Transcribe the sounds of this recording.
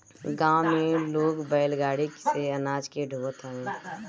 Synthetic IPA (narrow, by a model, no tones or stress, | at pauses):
ɡãːw̃mẽloːɡbəjlɡaːɽikseənaːd͡ʒkeɖʱuːət̪ɦə̃ẽ